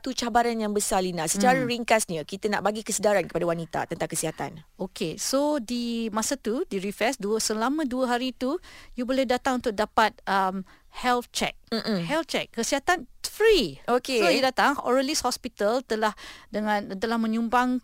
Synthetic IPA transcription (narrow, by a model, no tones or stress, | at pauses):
t̪ut͡ʃabaɾanjaŋbəsalinasət͡ʃaɾaɾiŋkasɲəkit̪ana̰ʔbaɡikəsədaɾankə̥padawanit̪a̰t̪ənt̪aŋkəsiɦat̪a̰nokesodimasat̪udiɾifɛsduəsəlamə̃duəɦaɾit̪ujubolɛhdat̪aŋunt̪ʊk̚dapat̪̚əm | hɛlft͡ʃɛ̰k̩̚hɛlt͡ʃɛk̚ːəsiɦat̪anfɾiokesojudat̪aŋɔ̰ɾəlishɔspit̪əlt̪əlahdəŋãnt̪əlahmə̃ɲũmbaŋ